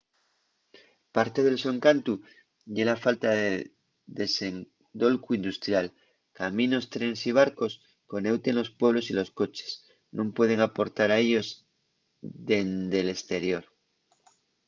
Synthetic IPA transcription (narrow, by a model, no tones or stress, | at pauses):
paɾt̪e̞ðe̞lso̞ŋkant̪u | ʎe̞lafalt̪aðe | ðe̞se̞ŋ | d̪o̞lkuind̪ust̪ɾjal | kamĩno̞st̪ɾe̞nsiβ̞aɾko̞s | ko̞ne̞wt̪e̞nlo̞spwe̞β̞lo̞silo̞sko̞t͡ʃe̥s | nõmpwe̞ð̞e̞ŋapo̞ɾt̪aɾae̞ʎo̞z | ðe̞nd̪e̞le̞st̪e̞ɾjo̞ɾ